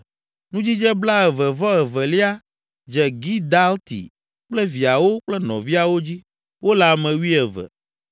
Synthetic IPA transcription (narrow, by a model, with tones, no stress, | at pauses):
nũ˦d͡ʑi˦d͡ʒɛ˦bla˦ɛ˨vɛ˨vɔ˦ɛ˨vɛ˨li˦a˦ | d͡ʒɛ˨ɡi˦d̪a˦lt̪ḭ˨ | k͡plɛ˦vi˨a˨wo˦k͡plɛ˦nɔ̰̃˨vi˦a˨wo˦d͡ʑi˦ | wo˦la˨mɛ̃˨wi˦ɛ˨vɛ̰˨